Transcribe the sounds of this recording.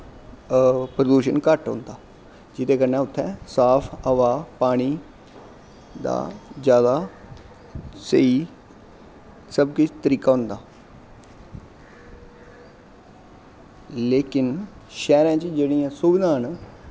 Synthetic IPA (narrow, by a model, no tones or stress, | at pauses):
pɾəd̪uːʃənkəʈɦõ̰ːnd̪aː | d͡ʒɪt̪eːkəɾnɛ̃ːʊt̪ʰːɛ̃ːsaːpʰəʋaːpaːɽ̃iː | d̪a̰ːd͡ʒjaːd̪aː | sə̰iː | səbkɪt͡ʃt̪əɾiːkaːɦʊ̃nd̪aː | leːkɪn | ʃɛːɾãːt͡ʃd͡ʒeːɽijãːsʊbɪd̪aːn